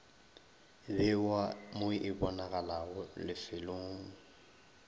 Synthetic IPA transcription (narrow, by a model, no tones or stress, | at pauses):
bɪwamʊʔɪbɔnaɣalaɣʊlɪfɪloːŋʊ